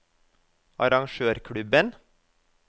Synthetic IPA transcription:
ʔɑɾɑŋʃøːɾkʰɽʉbən

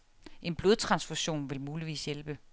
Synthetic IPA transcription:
ʔe̝nb̥lo̝ðˠt͡sʰʁɑ̈nsfuɕo̝̰ːnʋe̝lmuːliʋḭːsjelb̥ə

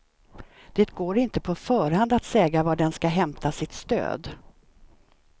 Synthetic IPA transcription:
d̪̥eːt̪ɡoːɾɪnt̪əpʰɔfœːɾhand̪at̪sɛːɡavaɖɛnskaɦɛmt̪ʰasɪt̪st̪ø̰ːd̪

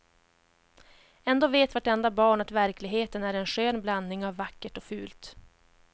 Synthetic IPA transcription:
ɛnd̪oːveːt̪vaʈɛnd̪abɑːɳat̪væɾklɪɡɦeːt̪ənæːɾɛnɧøːnblanːɪŋavːakːəʈɔfʉ̟ːlt̪

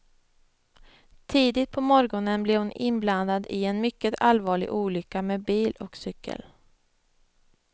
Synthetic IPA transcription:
t̪ʰiːd̪ɪt̪̚pʰɔmɔɾɡɔnənblɛɾhʊnɪ̰nbland̪ad̪ɪɛnmʏkːət̪alvɑːɭɪ̰ɡʔuːlʏkːameːbiːlɔksʏkʰːə̰l

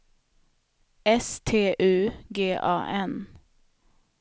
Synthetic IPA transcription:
ɛst̪ʰeːʔʉːɡeːʔɑ̰ːʔɛn

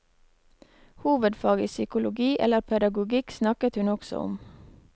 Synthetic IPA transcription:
huːʋəd̪fɑːɡəsʏkʊlʊɡiːʔɛ̰ləɾpʰɛd̪ɑɡʊɡɪksnɑkət̪hʉnɔksɔ̰ɔ̰m

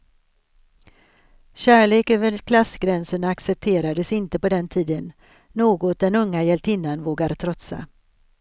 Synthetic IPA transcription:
ɕæːɭeːkøːvəɾkʰlasɡɾɛnsəɳaksɛp̚t̪ʰeːɾad̪əsɪnt̪əpɔd̪ɛnt̪ʰiːd̪ənː | oːɡɔt̪̚d̪ɛnɵŋːajɛlt̪ʰɪnːanvoːɡaɾt̪ʰɾɔt̪sa̰

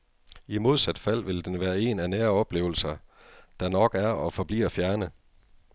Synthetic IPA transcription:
imo̝ð̞ˠsæd̥fæl̰ʋe̝ld̥enʋæːɐe̝nænæːɐɒ̽b̥le̝̰ːʊl̩sɐ | d̥ɑ̈nɒ̽ɡ̥æɐɒ̽fɒ̽b̥lḭːɐfjæɐnə

